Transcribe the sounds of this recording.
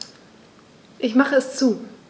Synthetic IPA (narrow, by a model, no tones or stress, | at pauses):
ʔɪçmaχəɛst͡suː